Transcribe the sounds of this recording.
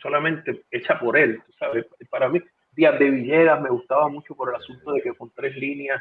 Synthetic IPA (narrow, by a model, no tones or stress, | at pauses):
so̞lamẽnt̪e̞e̞t͡ʃapo̞ɾe̞lt̪usaβesepaɾami | d̪iazd̪e̞βiʝe̞ðame̞ɣust̪aβamut͡ʃo̞po̞ɾe̞lasunt̪o̞ðe̞ke̞ko̞nt̪ɾe̞slinjas